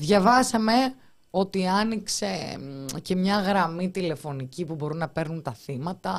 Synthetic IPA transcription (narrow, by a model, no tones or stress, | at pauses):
ðʝɐvɐsɐme̞ | o̞t̪iɐnikse̞ce̞mɲɐɣɾɐmit̪ile̞fo̞nicipubo̞ɾunɐpe̞ɾnunt̪ɐθimɐt̪ɐ